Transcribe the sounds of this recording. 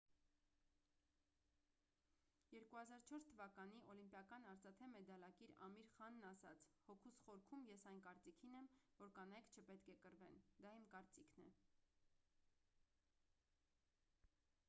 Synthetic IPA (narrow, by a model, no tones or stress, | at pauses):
jɛɾkuhɑzɑɾt͡ʃʰɔɾst̪ʰəvɑkɑniʔɔlimpjɑkɑnɑɾt͡sɑt̪ʰɛmɛd̪ɑlɑkiɾɑ̰miɾχɑnːɑsɑt͡sʰhɔkʰusχɔɾkʰumjɛsɑjnkɑɾt͡sikʰinɛmvɔɾkɑnɑjkʰt͡ʃʰəpɛt̪kʰɛkəɾvɛnd̪ɑimkɑɾt͡sikʰnɛ